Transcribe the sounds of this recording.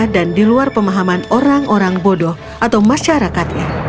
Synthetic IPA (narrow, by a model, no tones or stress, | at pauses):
dandiluarpəmaɦamanoɾaŋʔoɾaŋbodɔh | ʔat̪awmaʃaɾakat̪̚ɲa